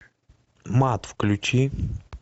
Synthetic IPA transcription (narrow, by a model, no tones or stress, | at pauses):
mat̪fklʲut͡ʃi